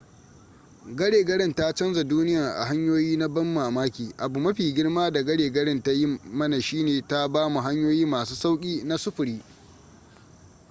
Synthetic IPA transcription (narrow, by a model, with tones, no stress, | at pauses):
ɡɐ˦ɽeː˨ɡɐ˦ɽɪ˦nta˦t͡ʃɐ˦nza˨duː˦nɪ˦ja˨ʔa̰˨ɦa˦ɲjoː˦jiː˦na˦bɐ˦mːaː˨maː˦kʲiː˨ʔa˨bu˨mɐ˦ɸiː˨ɡʲɪ˦ɽmaː˦da˨ɡɐ˦ɽeː˨ɡɐ˦ɽɪ˦nta˦jɪ˦mɐ˦na˨ʃiː˦neː˨ta˦baː˦mu˨ɦa˦ɲjoː˦jiː˦maː˨suː˦sa˦wkʲʼiː˦na˦sʊ˦ɸʊ˨ɽiː˦